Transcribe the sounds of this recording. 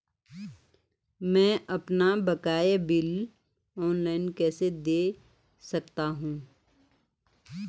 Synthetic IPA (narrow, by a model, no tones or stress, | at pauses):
mɛ̃ːʔɐpnabɐkaːjbɪl | ɔːnlaːɪnkɛːsed̪eː | sɐkt̪aɦũː